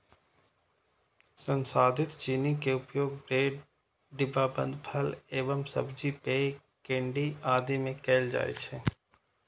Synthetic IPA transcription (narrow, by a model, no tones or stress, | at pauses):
sə̃nsaːd̪ʱɪt̪t͡ʃiːnikeʊpjoːɡ̚ɾeːɖ | ɖɪbaːbə̰̃nd̪pʰɐleːʋəmsɐ̰bd͡ʒipe | kẽːɳɖiaːd̪imẽkeːld͡ʒa̰ːḛt͡ʃʰeː